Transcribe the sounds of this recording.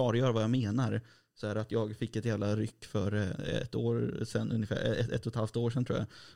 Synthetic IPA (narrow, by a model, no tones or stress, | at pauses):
ɑːɾɔjœːɾavajameːnaɾ | sɔæːɾat̪ʰjɑːɡfɪkːɛt̪jæːvlaɾʏkːfœɾɛ̰t̪ːoːɾsɛnːɵ̰njəfæ̰ːɾɛɛɛ̰t̪ʰːɔt̪ʰhalft̪oːʂɛnt̪ɾṵːaa̰